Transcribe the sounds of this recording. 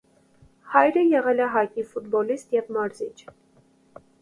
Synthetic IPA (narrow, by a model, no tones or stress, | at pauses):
hɑjɾəjɛʁɛlɛɦɑkifut̪̚bɔlist̪jɛvmɑɾzit͡ʃʰ